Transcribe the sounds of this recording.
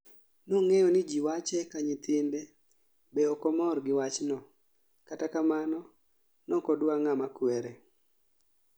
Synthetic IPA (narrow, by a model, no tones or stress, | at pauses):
noŋejɔnɪd͡ʒiwat͡ʃɛkaɲit̪ʰɪnde | beɔkɔmɔrɡɪwat͡ʃnɔ | katakamanɔ | nɔkɔdwaŋamakwɛɾe